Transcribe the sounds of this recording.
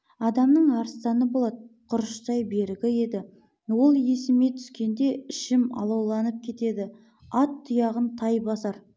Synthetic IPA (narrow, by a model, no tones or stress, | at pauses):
ɑd̪ɑmnəɴɑɾst̪ɑnəbo̞lˠɑd̪qʰʊɾəʃsɑjbe̞ɾɪɡʲɪe̞d̪ɪ | wo̞lˠje̞sɪmet̪ʰʏ̥skʲe̞nd̪e̞ɪʃɪmɑ̰lˠɑwlˠɑnəp̚kʲʰe̞t̪e̞d̪ɪ | ɑt̪ʰːʊjɑʁənt̪ʰɑjbɑsɑɾ